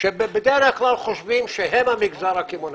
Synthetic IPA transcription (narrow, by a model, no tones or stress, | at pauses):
ʃɛbɛbɛd̪ɛɾɛkʰlalχɔʃbimʃɛɦɛmamiɡzaɾakʰimɔn